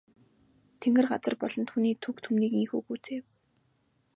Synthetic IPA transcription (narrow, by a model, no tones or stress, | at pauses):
t̪ʰeŋɡɘ̆rɢat͡sə̆rpɔɮɞ̆nt̪xuniːt̪ʰukt̪ʰumniːkiŋxuːɡuːt͡seːw